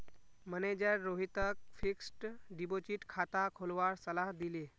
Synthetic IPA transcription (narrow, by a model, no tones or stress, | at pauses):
məned͡ʑəɾːoɦit̪ək̚fiksʈɖibot͡ɕiːʈkʰat̪akʰolʋaɾsəlaɦd̪ile